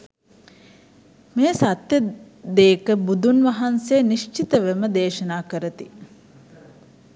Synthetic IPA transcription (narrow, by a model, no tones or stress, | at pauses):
meːsat̪jə | d̪eːkəbud̪unʋɐɦanseːniʃt͡ʃit̪əʋeməd̪eːʃɐnaːkəɾət̪i